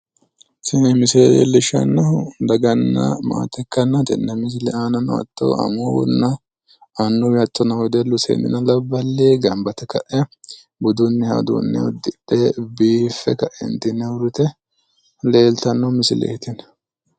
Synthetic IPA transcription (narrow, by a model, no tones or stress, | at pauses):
sɪnɛmɪsɪlɛj̰lːɪʃɐ̰nːɐʊd̪ɐɡɐnːɐ̰ma̰ːt̪ɛkːɐnːɐt̪ɪ̰nːɐmɪs̬ɪlɛaːnɐnːʊ̰ɐ̰t̪ːo̰ɐ̰mownːɐ | ɐnːʊwɐt̪ːɔnɐwɔd̪ɛlːʊsḛnːɪ̰nɐlɐbːɐlːeːɡɐmbɐt̪ɛkɐʔɛ | bʊd̪ʊnːɛhɐ̰d̪ṵnːɛ̰ʊd̪ɪɗɛbiːfːɛkɐʔɛ̰nt̪ɪnːɛwʊɾʊt̪ɛ | leːlt̪ɐnːɔmɪsɪlɛ̰t̪ɪn